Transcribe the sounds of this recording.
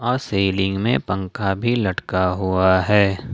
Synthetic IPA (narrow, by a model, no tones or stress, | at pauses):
ɔːɾseːlɪ̃ŋɡmẽpə̃ŋkabʱilɐʈkaɦuaɦɛː